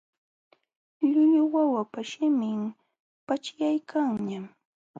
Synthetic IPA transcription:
ʎʊʎʊwawapaʃɪmɪm | pat͡ʃjajkʰaŋɲam

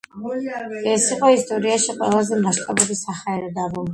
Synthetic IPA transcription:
ɛsiqʼɔist̪ʼɔɾiaʃiqʼwɛ̰lˠazɛmaʃt̪ʼabubisaχaɛɾɛd̪abɔl

